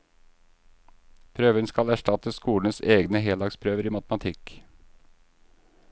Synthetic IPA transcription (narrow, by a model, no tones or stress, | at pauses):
pʰɾøːʋənskɑlæʃʈɑt̪əskuːln̩əseːɡnəɦeːlɑkspʰɾøːʋəɾiːmɑt̪mɑt̪ʰɪk